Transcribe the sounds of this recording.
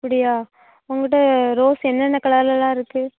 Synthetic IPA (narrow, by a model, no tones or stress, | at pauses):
ɐpːɐɽɪjaː | ʊŋɡɪʈːɐɾoːsɛnːɐnːɐkɐɭɐɐlɐlːãːɪɾɯkːɯ